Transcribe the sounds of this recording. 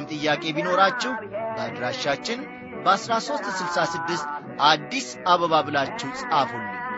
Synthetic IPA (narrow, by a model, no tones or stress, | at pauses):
mt̪ʼɨjːakʼe̞bino̞ɾat͡ʃːɛhbəad̪ɾaʃat͡ʃːɪn | bəasɾaso̞st̪sɨlsasɨd̪ːɨst̪ | ʔad̪ːis | aβəβabɨlat͡ʃːɛwsʼʔafonːɨ